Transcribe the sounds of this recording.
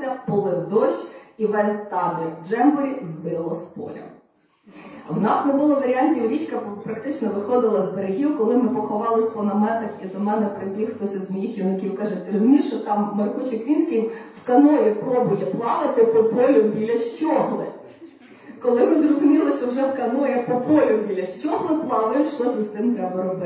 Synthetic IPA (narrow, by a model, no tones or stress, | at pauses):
sʲɐpɔlˠɪwd̪ɔʃt͡ʃiʋɛzʲt̪ɑɦɪd͡ʒɛmbɔɾʲizbɪlˠɔspɔ̰lʲɐ̰ | wnɑsnɛbʊlˠɔʋɐɾʲiɑnʲtʲiwɾʲit͡ʃkɐpɾɐkt̪ɪt͡ʃnɔʋɪxɔd̪ɪlˠɐzbeɾeɦʲiwkɔlˠɪmɪpɔxɔʋɑlˠɪsʲpɔnɐmɛt̪ɐxid̪ɔmɛnɛpɾebʲixlˠɔsʲɐzmɔjixjʲinɐkʲiwkɑʒɪt̪ɾɔzʊmʲiʃt͡ʃɔt̪ɑmːɐrkut͡ʃɪkʋʲinʲsʲkɪjwkɐnɔjɛpɾɔbʊjɛplˠɑʋɪt̪ɪpɔpɔlʲʊbʲilʲɐʃt͡ʃʲɔɦlˠɪ̰ | kɔlˠɪmɪzrɔzʊmʲilˠɪʃt͡ʃɔwʒɛwkɐnɔjɛpɔpɔlʲʊbʲilʲɐʃt͡ʃʲɔɦlˠɪplˠɑʋɪʃt͡ʃɔt̪ʲɪst̪ɪmt̪ɾɛbɐɾɔbɪ